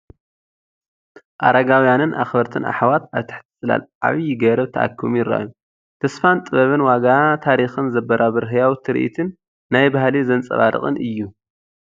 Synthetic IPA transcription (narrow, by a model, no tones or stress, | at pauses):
ʔa̰ɾaɡawjanɨnʔa̰xbɐɾt̪ʰɨnʔa̰ħwat̪aβt̪ʰɨ̥ħt̪ʰɨ̥sʼɨla̰la̰βjɪɡɐɾɐβt̪ʰɐʔa̰kʰːɨmjɪra̰ʔju | t̪ʰɐsfant̪ʼɨβɐβɨnwaɡat̪ʰaɾixɨnzɐbːɐɾabɨɾɦɨjawt̪ʰɨɾ̰ʔḭt̪ʰɨnː | ajbahlizɐnt͡sʼɐ̰βaɾɨ̰χʼɨ̰nʔɨjːu